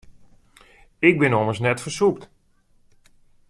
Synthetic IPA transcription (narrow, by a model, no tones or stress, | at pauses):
ɪk̚bɪnoməsnɛtfəsup̚t